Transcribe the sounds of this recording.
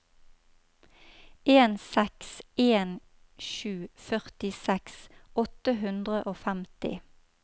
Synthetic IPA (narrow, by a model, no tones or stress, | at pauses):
ʔeːnsɛkseːn | ʃʉːfœʁt̪ɪsɛksɔt̪əɦʉnd̪ʁəʔoːfæmt̪ɪ̰